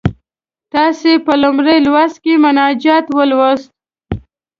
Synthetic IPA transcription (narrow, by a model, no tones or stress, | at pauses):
t̪ɑsepəlʊmɾejlwaskemʊnɑd͡ʒɑt̪wəlwast̪̚